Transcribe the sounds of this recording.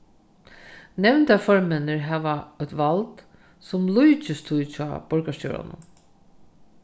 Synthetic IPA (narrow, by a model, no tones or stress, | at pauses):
nɛʋnt̪afɔɹmɛnəɹɦæːʋaœt̪ʋalt̪ | sʊmlujt͡ʃɪst̪ʰujt͡ʃʰɔ̰ːb̥ɔɹkaʃjɔ̰ːɹa̰nʊ̰n